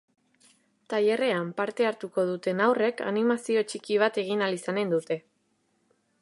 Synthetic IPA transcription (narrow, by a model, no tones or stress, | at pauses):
t̪aje̞re̞ampaɾt̪e̞aɾt̪uko̞ð̞ut̪e̞nawre̞ka̰nimasio̞t͡ʃikiβ̞at̪e̞ɣ̞inalisane̞nd̪ut̪e̞